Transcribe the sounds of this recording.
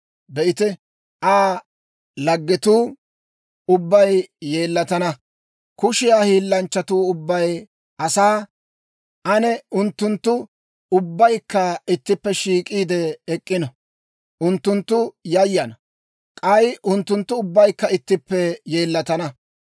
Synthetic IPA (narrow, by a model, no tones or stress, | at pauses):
bɛʔɪt̪ɪ | ʔaː | lɐɡːɛt̪uː | ʊbːɐjje̞ːlːɐt̪ɐnɐ | kʊʃɪjaːhiːlːɐnt͡ʃːɐt̪uːʊbːɐj | ʔɐsaː | ʔɐnɛʊnt̪ːʊnt̪ːʊ | ʊbːɐjkːɐɪt̪ːɪpːɛʃiːkʼiːd̪ɛːkʼːɪnɔ | ʔʊnt̪ːʊnt̪ːʊjɐjːɐnɐ | kʼɐjʔʊnt̪ːʊnt̪ːʊʊbːɐjkːɐɪt̪ːɪpːɛje̞ːlːɐt̪ɐnɐ